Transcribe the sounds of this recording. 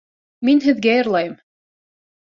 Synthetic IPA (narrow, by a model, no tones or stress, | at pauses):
minɦɘ̆ðɡæjɤ̆ɾlˠɑjɤm